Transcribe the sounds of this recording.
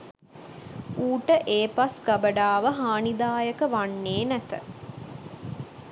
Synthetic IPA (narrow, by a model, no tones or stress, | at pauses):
uːʈəʔeːpasɡabəɖaːʋəɦaːnid̪aːjəkəʋanːeːnæt̪ə